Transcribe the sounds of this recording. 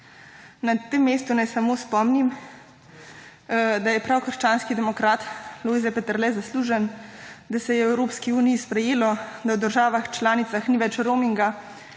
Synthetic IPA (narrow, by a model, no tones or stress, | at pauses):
nat̪emːeːst̪unajsamospɔmnim | d̪ajɛpɾawkəɾʃt͡ʃaːnskid̪ɛmɔkɾaːt̪loːizɛpɛt̪əɾlɛzasluːʒənd̪asɛjɛwɛwɾoːpskiuːnijispɾɛjeːlɔd̪awd̪əɾʒaːʋaxt͡ʃlaːnit̪saxniʋɛt͡ʃɾoːmiŋɡa